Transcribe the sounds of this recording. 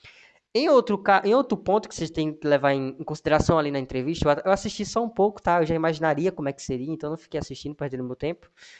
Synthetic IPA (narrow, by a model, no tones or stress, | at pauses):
ẽj̃owt̪ɾʊkaʔẽj̃owt̪ɾʊpõnt̪ʊkɪ̥seʒat̪ẽj̃kɪlevaɾẽẽkõsid̪eɾasɐ̃w̃alinɐẽt̪ɾeviʃt̪ɐewaewasiʃt͡ʃisɔũpowkʊ̥t̪aewʒaimaʒinaɾiɐkõmʊɛkɪ̥seɾiɐẽnt̪ɐ̃nɐ̃fi̥kejasiʃt͡ʃĩnd̪ʊpɛd̪ẽd̪ʊ̃mewt̪ẽpʊ̥